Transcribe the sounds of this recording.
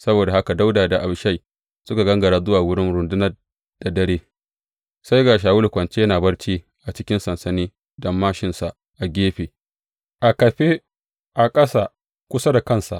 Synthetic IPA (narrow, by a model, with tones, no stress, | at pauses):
sɐ˦boː˨da˨ha˦ka˨da˦wdaː˨da˨ʔa˨bʃa˦j | sʊ˦ka˨ɡɐ˦ŋɡɐ˨ɽaː˦zʊ˦waː˨wʊ˦ɽɪ˦nɽʊ˨ndʊ˦nɐ˦r | d̥a˨dɐ˦ɽeː˦ | sa˦jɡaː˨ʃ̬aː˨wʊ˦lkʷɐ˨nt͡ʃe˦ɐ˦naː˨bɐ˦ɽt͡ʃiː˦ | ʔa˨t͡ʃɪ˦kʲɪ˦nsɐ˨nsɐ˨niː˦ | dɐ˦mːaː˦ʃɪ˨nsa˨ | ʔa˨ɡʲeː˦ɸeː˨ | ʔa˨kɐ˨ɸe˦ | ʔa˨kʼɐ˦sa˨ | kʷʊ˦sa˦da˨kɐ˦˨nsa̰˨ʔ